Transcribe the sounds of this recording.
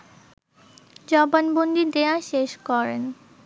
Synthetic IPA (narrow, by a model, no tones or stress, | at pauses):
d͡ʑɔbanbond̪ʱid̪eaʃeʃkɔɾḛn